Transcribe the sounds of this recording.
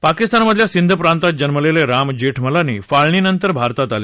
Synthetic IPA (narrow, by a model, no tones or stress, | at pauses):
pakist̪anməd̪ʱljasind̪ʱəpɾãnt̪at̪̚d͡ʑənməleleɾamd͡ʑeʈʰməlanḭːfaɭɳiːnənt̪əɾbʱaɾt̪at̪ale